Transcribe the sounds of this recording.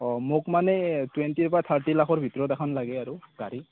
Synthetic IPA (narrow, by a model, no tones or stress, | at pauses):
ɔmokmanɛtwentiɹpat̪ʰaɹtilakʰɔɹbʱitɔɹɔtakʰɔnlaɡɛaɹuɡ̥aɹi